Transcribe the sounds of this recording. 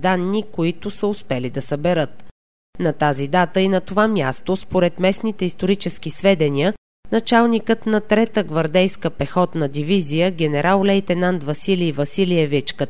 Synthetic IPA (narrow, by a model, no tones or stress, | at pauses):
d̪anːikoit̪ʊsəʊspɛlid̪ɐsɐbɛɾɤt̪̚ | nɐt̪azid̪at̪əinɐt̪ovamʲjast̪ospoɾɛt̪mɛsnit̪ɛist̪oɾit͡ʃɛsk̟isvɛd̪ɛnʲiə | nɐt͡ʃalˠnikət̪nɐt̪ɾɛt̪əɡvɐɾd̪ɛjskəpɛxɔt̪nɐd̪ivizijəɡʲɛnɛɾʔalˠlɛjt̪ɛnant̪vɐsiliːvɐsiliɛvɛt͡ʃkə